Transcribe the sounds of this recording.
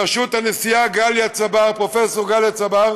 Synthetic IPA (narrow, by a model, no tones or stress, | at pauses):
aʃut̪anesijaɡaljat͡sabaʁpʁo̞feso̞ʁɡaljat͡sabaʁ